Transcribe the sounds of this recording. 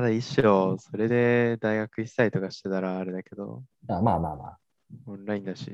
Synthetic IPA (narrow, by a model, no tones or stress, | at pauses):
ad̪aiɕo̞so̞ɾe̞d̪e̞d̪aiɡakɯ̟isait̪o̞kaɕi̥t̪et̪aɾaːɾe̞d̪ake̞d̪o̞̰ | amaːma̰ːma̰ː | õnɾaĩnd̪aɕḭ